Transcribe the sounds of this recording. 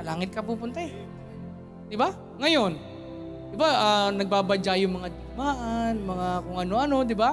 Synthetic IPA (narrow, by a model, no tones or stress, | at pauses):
laːŋɪt̪̚kɐpuːpʊnt̪aɛ | d̪̥ɪba | ŋɐjo̞n | d̪̥ɪbaʔanɐɡ̚babɐd͡ʒajʊŋmɐŋad̪ʊɡmaːʔanmɐŋakʊŋʔɐno̞ʔɐno̞d̪ɪba